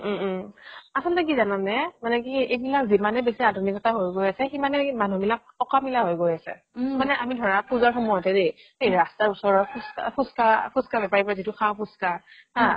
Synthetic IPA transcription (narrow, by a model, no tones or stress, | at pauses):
asɔntak̬izananɛmanɛk̬iejbilakzimanɛbesiadʱunikɔtaɦojɡojasɛximanɛmanubilak̚ɔkamilaɦojɡojasɛ̰ | manɛʔamidʱɔɹapuzaɹxumɔjɔtɛdej | ejɹastaɹusɔɹɔpʰuskapʰuskapʰuskabɛpaɹipɔɹazituxʰawpʰuska | a